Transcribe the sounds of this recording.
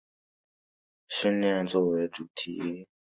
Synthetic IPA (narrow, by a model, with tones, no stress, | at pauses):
ɕi˥˧nljɛ˥˧nt͡swɔ˥˩we˧˥ɪʈ͡ʂu˨˩t̪ʰḭ˧˦˥